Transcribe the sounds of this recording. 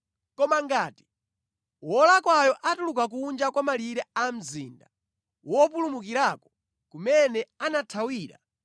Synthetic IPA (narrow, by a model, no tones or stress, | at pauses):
kɔmaŋɡaːti̥ | wɔlakwajɔʔatulukak̬uːnd͡ʒakwamaliɾɛam̩zḭːnda | wɔp̬ulumukiɾakɔ̥ | kumɛnɛanatʰawiːɾa̰